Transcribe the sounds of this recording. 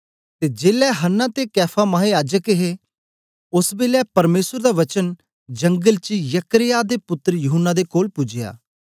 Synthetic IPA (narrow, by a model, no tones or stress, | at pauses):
t̪ed͡ʒeːlɛɦənːãt̪ekɛːpʰamaːɦejaːd͡ʒəkeɦe | ʊsbeːlɛpɐɾmeːsəɾd̪aʋɐt͡ʃən | d͡ʒɐ̃ŋɡəlt͡ʃijɐkɾɪjaːd̪epʊt̪ːəɾjʊɦənːad̪ekoːlpʊd͡ʒɪja̰ː